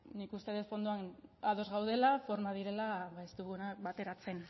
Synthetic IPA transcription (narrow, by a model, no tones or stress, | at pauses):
nikust̪e̞ðet̪fo̞nd̪uaaðo̞zɣawð̞e̞lafo̞ɾmað̞iɾe̞laβaest̪uɣunak̚bat̪e̞ɾat͡se̞n